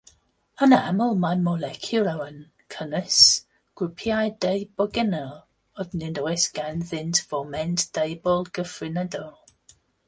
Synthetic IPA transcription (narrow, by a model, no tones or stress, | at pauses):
ənamɔlˠmamɔlˠɛkʰjʊlawən | kʰənəs | ɡ̥ɹʊpʰiajdejbɔɡɛnɛlˠ | ɔdnɪdɔɨsɡ̥anðɪntʰv̥ɔmɛntd̥ejbɔlˠɡ̥əfrɪnɛdɔlˠ